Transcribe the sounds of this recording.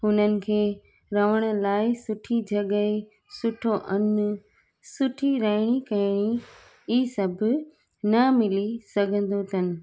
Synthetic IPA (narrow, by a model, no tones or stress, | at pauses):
ɦʊnənɪ̆kʰeː | ɾɐʋəɽ̃ə̆laːɪsʊʈʰid͡ʑʱɐɠə | sʊʈʰoʔɐn | sʊʈʰiɾɐɦɪɽ̃ikɐɪɽ̃i | iːsɐbʱʊ̆ | nɐmɪlisɐɡʱə̃n̆d̪ot̪ʰɐnɪ̆